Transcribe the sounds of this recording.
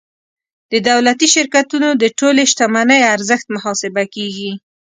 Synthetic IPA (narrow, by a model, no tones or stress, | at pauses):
d̪̥əd̪awlat̪iʃɪɾkat̪unod̪əʈoleʃt̪amanəjaɾzəxt̪̚mʊɦɑsɪbakeɡi